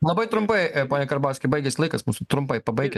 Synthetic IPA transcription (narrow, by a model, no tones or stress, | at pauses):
lˠɐbɐɪt̪ɾʊmpɐɪpoːnʲɛkɐɾbɑːsʲkʲɪbɐɪɡʲɛsʲlˠɐɪkɐsmuːsʊt̪ɾʊmpɐɪpɐbɐɪɡʲɛ